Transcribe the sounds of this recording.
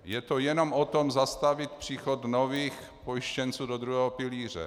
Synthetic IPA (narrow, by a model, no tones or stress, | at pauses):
jɛt̪ojɛnomʔot̪o̞mzast̪avɪt̪̚pr̝̥iːxod̪noviːx | pojɪʃcɛnt͡suːdod̪ɾuɦɛːɦopɪliːr̝ɛ̰